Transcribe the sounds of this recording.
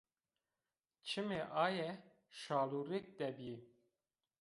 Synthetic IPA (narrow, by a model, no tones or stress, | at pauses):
t͡ʃʰɨmeʔɑːjɛ | ʃaːluɾek̚d̪ɛbi